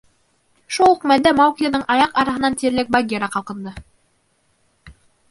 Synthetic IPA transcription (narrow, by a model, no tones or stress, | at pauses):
ʃulˠqmæld̪æmɑwk̪ʲijanɤɴʔɑjɑqɑɾɑɦɤ̆nɑnt̪iɾlɘk̚baɡʲeɾɑqɑlˠqɤ̆nd̪ɤ